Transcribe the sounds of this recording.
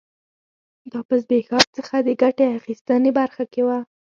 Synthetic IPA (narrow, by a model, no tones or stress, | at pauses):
d̪ɑpəs̬bexɑb̚t͡səxad̪əɡaʈeaxist̪ənebaɾxakewa